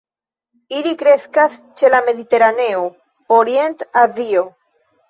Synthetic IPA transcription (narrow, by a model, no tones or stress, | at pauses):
ilikɾe̞skas | t͡ʃe̞lame̞ðit̪e̞ɾane̞o | oɾje̞nt̪aðio